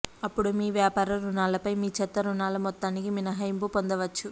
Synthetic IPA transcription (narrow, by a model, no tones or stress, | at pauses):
ɐpːuɽumiːʋjaːpaːɾɐɾunaːlɐpɐjmiːt͡ʃɛt̪ːɐɾunaːlɐmɔt̪ːaːnikiminɐɦɐjmpupond̪ɐʋɐt͡ʃːu